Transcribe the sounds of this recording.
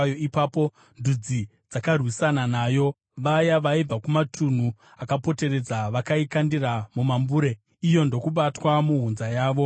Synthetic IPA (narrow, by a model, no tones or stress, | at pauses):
oipaːpo̞ | ndud͡zi | d͡zakarwisananaːjo̞ | ʋajaʋaib͡vakumatʰun̤u | akapo̞te̞ɾe̞d͡zaʋakaikandiramumambuːɾe̞ | ijo̞ndo̞kuɓatwamuɦunzajaːʋo̞